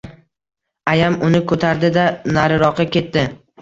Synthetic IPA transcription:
ajamʊnɪkʰot̪ʰaɾd̪ɪd̪anaɾɪɾɒqɨkʲe̞t̪ːɪ

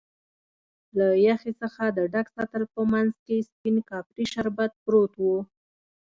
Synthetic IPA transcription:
lajaxesəxad̪əɖaksɑt̪əlpəmanzkespinkɑpɾiʃaɾbat̪̚pɾot̪wu

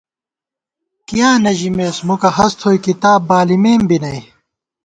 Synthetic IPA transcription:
kijãːnɐʑimeːsmukɐɦɐst̪ʰoːikit̪aːbːaːlimeːmbinɐj

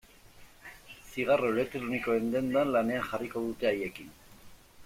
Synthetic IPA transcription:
siɣ̞aro̞ele̞kt̪ɾuniko̞e̞nd̪e̞nd̪anlane̞anxariko̞ðut̪e̞aje̞kin

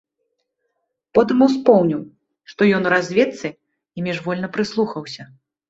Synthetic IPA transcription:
pɔt̪ɨmuwspɔwnʲiw | ʂt̪ɔjɔnɾazʲvʲɛt̪sɨ | imʲɛʐvɔlʲnɐpɾɨslˠuxɐwsʲɐ

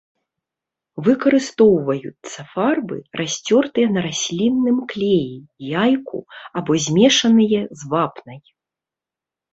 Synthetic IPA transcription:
vɨkɐɾɨst̪ɔwvɐjut̪sɐfarbɨ̰rʔasʲt͡sʲɔrt̪ɨjɛnɐɾasʲlʲinːɨmklʲejijajkṵabɔzʲmʲɛʂɐnɨjɐzvapnɐj

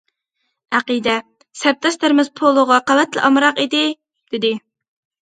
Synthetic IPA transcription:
æqid̪ɛ | sɛp̚t̪ɛslɪɾɪmɪzpʰolˠʊʁɑqʰɑlɛt̪lɪ̰ʔɑmɾɑqed̪ɪ | d̪̥ɪd̪ɪ

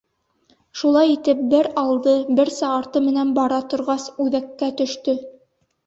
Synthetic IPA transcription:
ʃulˠɑjit̪ɘp̚bɘɾɑlˠd̪ɤbɘɾsɑɑɾt̪ɤmɘ̆nænbɑɾɑt̪ŏɾʁɑsʉðækːæt̪ɵ̆ʃt̪ɵ

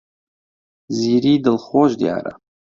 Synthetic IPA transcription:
ziɾidɨlχoʒʷdja̰ɾa̰

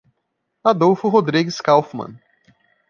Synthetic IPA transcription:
ad̪owfʊɦod̪ɾiɡɪskawfmɐ̰̃n

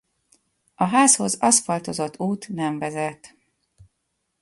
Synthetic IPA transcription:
ɒɦaːsho̞zɒsfɒlt̪o̞zo̞t̪ʰːuːt̪nɛɱvɛzɛt̪

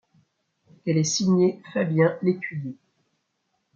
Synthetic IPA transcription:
ɛlɛsiɲefabjɛ̃let̪ilje

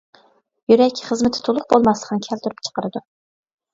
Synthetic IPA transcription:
jyɾɛkʲχəzmɪt̪ʰɪ̥t̪ʰolˠʊχbolˠmɑslˠəqnɨkʲʰɛlt̪ʰyɾyp̚t͡ʃʰə̥qəɾɨd̪u

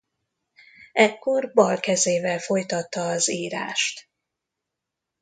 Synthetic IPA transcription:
ɛkːo̞rbɒlkɛzeːvɛlfo̞jt̪ɒt̪ːɒːziːɾa̰ːʃt̪

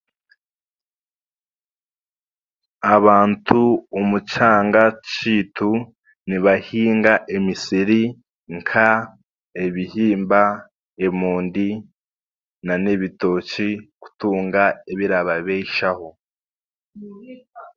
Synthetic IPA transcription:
aβaːntʰuomut͡ʃaːŋɡat͡ʃiːtu | niβahiːŋɡaʔe̞misiɾi | ŋkʰa | e̞βihiːmba | e̞muːndi | nane̞βito̞ːt͡ʃiku̥tuːŋɡae̞βiɾaβaβeʃaho̞

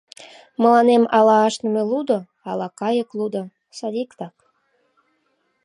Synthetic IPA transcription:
mə̆lɑnemɑlɑɑʃnə̆melud̪o | ɑlɑkɑjə̆klˠud̪ŏ | sɑd̪ʲikt̪ɑk

